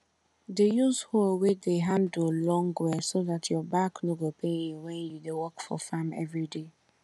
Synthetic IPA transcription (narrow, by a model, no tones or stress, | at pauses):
dejuzhowedeɦãndolɔ̃ŋɡwɛsoðatʰjɔbaknoɡopʰenuwɛ̃njudewɔkfɔ̰famɛ̰vɹide